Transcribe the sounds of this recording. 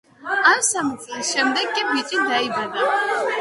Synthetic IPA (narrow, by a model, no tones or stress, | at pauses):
amsamut͡sʼlisʃɛmd̪ɛɡʼibit͡ʃʼid̪aibɾɛna